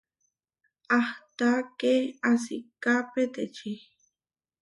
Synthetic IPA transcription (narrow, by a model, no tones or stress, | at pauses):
aht̪akeas̬ikapet̪et͡ʃi